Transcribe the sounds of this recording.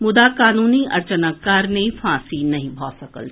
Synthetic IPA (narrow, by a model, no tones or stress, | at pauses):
mʊd̪akaːnuːniʔɐ̰ɾt͡ʃənəkːaːɾnefʰãːsinɐɦĩbʱaːsɐkə̰lʰ